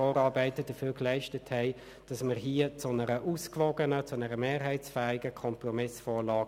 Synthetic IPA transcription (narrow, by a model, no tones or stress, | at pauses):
ɔːɾɑːɾbæɪtəd̥əfyːklæɪʃtəthɛɪ | d̥ɑsməʁɦiːət͡sʊnəɾəʔuːskvɔɡənət͡sʊnɛʁəmeːʁɦɛɪsfæːɪɡəkʰɔmprɔmɪsfɔːɾlɑː